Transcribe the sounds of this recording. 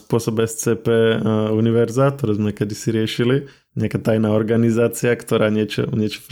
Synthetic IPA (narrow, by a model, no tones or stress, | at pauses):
spʊɔsɔbɛst͡sɛːpɛːuniʋɛɾzat̪ɔɾɛːzmɛkɛd̪isiɾɪɛʃili | ɲɪakaːt̪ajnaːɔɾɡanizaːt͡siakt̪ɔɾaːɲɪɛt͡ʃɔ̰ɲɪɛt͡ʃɔ̥f